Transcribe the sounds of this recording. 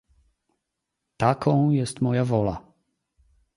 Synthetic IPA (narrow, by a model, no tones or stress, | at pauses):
t̪akʰɔ̃w̃jɛst̪mɔjavɔla̰